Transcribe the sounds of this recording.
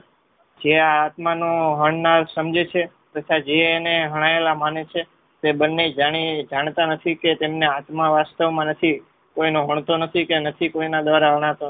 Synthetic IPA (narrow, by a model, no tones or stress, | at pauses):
d͡ʒeaːt̪manõɦəɳnaɾsəmd͡ʒet͡ʃʰe | t̪ət͡ʃʰad͡ʒeːneɦəɽ̃aelamanet͡ʃʰe | t̪ebənːed͡ʒaɽ̃id͡ʒaɳ̃t̪anət̪ʰiket̪emneat̪maʋast̪əʋmãnət̪ʰi | koinoɦəɳ̃t̪onət̪ʰikenət̪ʰikoinad̪ʋaɾaɦəɽ̃at̪o